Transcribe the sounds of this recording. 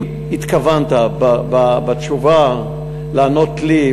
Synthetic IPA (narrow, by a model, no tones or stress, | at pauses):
it̪kavant̪abababat̪t͡ʃuva | laːnot̪li